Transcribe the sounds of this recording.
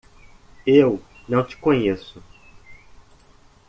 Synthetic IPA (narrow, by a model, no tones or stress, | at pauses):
ewnɐ̃w̃t͡ʃɪ̥kõɲesʊ